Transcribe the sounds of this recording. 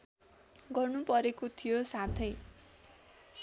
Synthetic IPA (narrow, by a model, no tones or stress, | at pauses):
ɡʌrnupʌɾekot̪ʰijosat̪ʰʌj